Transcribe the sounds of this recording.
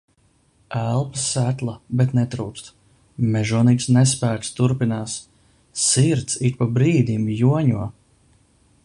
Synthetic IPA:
ælˠpḁsːæt̪lˠabɛt̪nɛt̪ɾuːk̪st̪ | mɛʒuɔniːt̪snɛs̬pæːt̪st̪uɾpinaːs | siɾt̪siɾpabɾiːd̪ʲimjuɔɲuɔ

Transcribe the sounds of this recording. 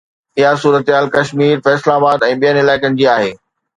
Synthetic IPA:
ɪɦasuːɾət̪ɦaːlkɐʃmiːɾfɛːslaːbaːd̪ɛ̃ːɓijənɪlaːɪkənd͡ʑiːaːɦeː

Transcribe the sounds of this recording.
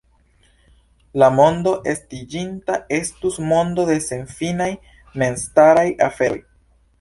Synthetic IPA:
lamo̞ndo̞ʔe̞stid͡ʒintae̞stusmo̞ndo̞de̞se̞nfinaj | me̞nstaɾajafe̞ɾ̰j

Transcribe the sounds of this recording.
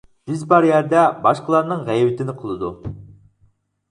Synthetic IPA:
ʒ̥yzbɑɾjæɾd̪ɛbɑʃqəlˠɑɾnɨŋʁæjbɪt̪ɪnɪqʰəlˠɨd̪u

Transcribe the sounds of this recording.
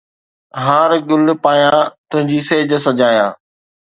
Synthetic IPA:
ɦãːɾɠʊl̆paːjãt̪ʊ̃ɦɪ̃ɲd͡ʑiːseːd͡ʑsɐd͡ʑaːjã̰ː

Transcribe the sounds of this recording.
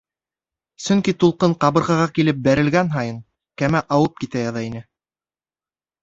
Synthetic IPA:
sɵŋkit̪ulˠqɤɴqɑβɤ̆ɾʁɑʁɑkilɘp̚bæɾɘ̆lɡænɦɑjɤɴ | kæmæʔɑwɤp̚kit̪æjɑðɑinɘ

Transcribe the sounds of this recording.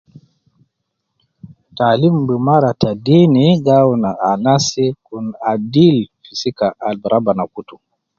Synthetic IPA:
talimbɛmaɾatadiniɡawnaʔanasikunadilfisikaʔalbɾʔabanakutu

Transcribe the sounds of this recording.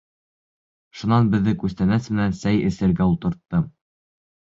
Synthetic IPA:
ʃunɑnbɘ̆ðːɘkʉst̪ænæsmɘ̆nænsæjɘ̆sɘ̆ɾɡæulˠt̪ɤ̆ɾt̪ːɤm

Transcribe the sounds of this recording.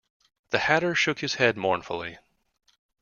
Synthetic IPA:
ðɨhæɾə˞ʃʊkhɨz̥hɛd̚mɔɹnfl̩ˠi

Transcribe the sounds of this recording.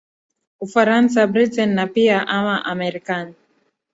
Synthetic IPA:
ufaɾans̬abɾitɛnnapiaʔamaʔamɛɾikani

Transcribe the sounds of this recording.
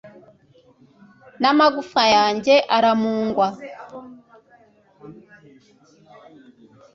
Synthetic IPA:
namaɡufajaːɲɟeʔaɾamuːŋɡwa

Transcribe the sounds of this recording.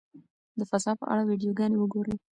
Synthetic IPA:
d̪əfasɑpə̰ʔa̰ɽawiɖijoɡɑnewəɡoɾəj

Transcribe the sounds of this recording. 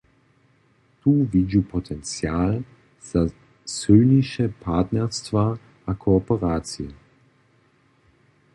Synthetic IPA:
t̪uːvid͡ʑupʰɔt̪ʰɛnt͡sjaːl | z̥a | søniʃɛpʰaːt̪nɛʁst̪va | ʔakʰɔɔpɛʁaːt͡sijɛ

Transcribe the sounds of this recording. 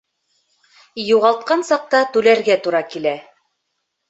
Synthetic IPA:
juʁɑlˠt̪̚qɑnsɑq̚t̪ɑt̪ʉlæɾɡæt̪uɾɑkilæ

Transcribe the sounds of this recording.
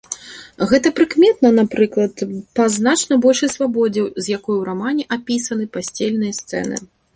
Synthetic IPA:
ɣɛt̪ɐpɾɨkmʲɛt̪̚nɐnapɾɨklˠɐt̪pɐznat͡ʂnɐbɔlʲʂɐjsvabɔd͡zʲɐwzʲjakɔjɛwɾamanʲɛʔapʲisɐnɨpasʲt͡sʲelʲnɨjɐst̪sɛ̰nɨ̰

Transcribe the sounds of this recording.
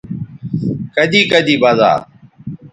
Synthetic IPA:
kəɗ̪iːkəd̪iːbaːza̰ː

